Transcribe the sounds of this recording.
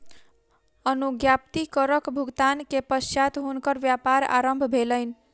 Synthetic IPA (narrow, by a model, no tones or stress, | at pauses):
ʌnuɡjap̚t̪ikʌɾʌkbʱuɡt̪ankepʌsjat̪ɦunkʌɾbjapaɾa̰ɾəmbʱbʱeləjn